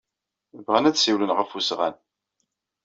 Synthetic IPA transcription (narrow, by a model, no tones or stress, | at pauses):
vʁənædsiwlənʁəfusʁæ̰n